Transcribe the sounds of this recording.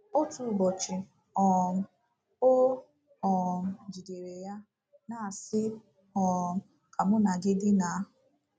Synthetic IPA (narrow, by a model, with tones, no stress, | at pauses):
o˦tu˨bɔ˨t͡ʃɪ˨ | ɔ˨m̩˦ | o˦ | ɔ˨m̩˨d͡ʒi˨de˨ɾe˨ja˦ | na˨sɪ˦ | ɔ˨m̩˨˦ | kʰa˨mʊ˦na˨ɡɪ˦dɪ˦na˨˦ɦʊ˨